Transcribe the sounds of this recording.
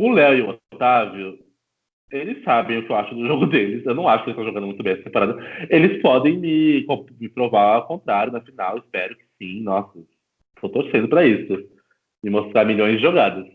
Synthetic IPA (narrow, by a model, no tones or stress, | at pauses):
ʊlɛwewot̪aveʊ | elɪsːabẽj̃ʊkɪewaʃʊd̪ʊʒoɡʊd̪elɪsewnɐ̃w̃aʃʊkelɪst̪ɐ̃w̃ʒoɡɐ̃nd̪ʊmũt̪bẽɛsɐt̪ẽpoɾad̪ɐelɪspɔd̪ẽj̃mɪkõmɪpɾovaɾawkõnt̪ɾaɾjʊnɐfinawɪspɛɾʊkɪ̥sĩnɔsɐ | t̪ot̪oɾsẽnd̪ʊpɾɐisʊ | mɪmost̪ɾaɾmilõj̃zd͡ʒɪʒoɡad̪ɐs